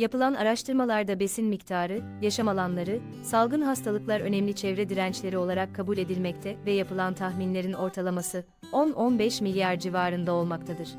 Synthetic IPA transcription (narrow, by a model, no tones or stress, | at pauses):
japɯlˠana̰ɾaʃt̪ʰɯɾmalˠaɾd̪abe̞sinmict̪ʰaːɾɯ | jaʃamalˠanlˠaɾɯ | salˠɡɯnɦast̪ʰalˠɯklˠaɾø̞nɛmlʲit͡ʃʰɛvɾɛd̪iɾænt͡ʃlʲe̞ɾio̞lˠaɾakʰːabulʲe̞d̪ilʲmɛct̪ʰɛvɛjapʰɯlˠant̪ʰaxminlʲe̞ɾino̞ɾt̪ʰalˠamasɯ | ononbɛʃmilʲjaɾd͡ʒivaːɾɯnd̪ao̞lˠmakt̪ʰad̪ɯɾ̥